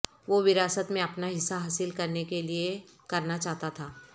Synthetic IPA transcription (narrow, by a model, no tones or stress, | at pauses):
ʋoʋɪɾaːsət̪mẽɐpnaɦɪsːaɦaːsɪlkɐɾnekeliekɐɾnat͡ʃaːɦt̪at̪ʰaː